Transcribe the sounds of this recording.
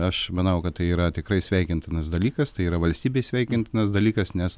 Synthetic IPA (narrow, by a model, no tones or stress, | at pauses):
ɐʃmɐnɐʊkɐtt̪ɐɪiːɾɐt̪ʲɪkɾɐɪsʲʋʲɛɪkʲɪnt̪ʲɪnɐsd̪ɐlʲiːkɐst̪ɐɪiːɾɐʋɐlʲsʲt̪ʲiːbʲeːsʲʋʲɛɪkʲɪnt̪ʲɪnɐsd̪ɐlʲiːkɐsnʲɛs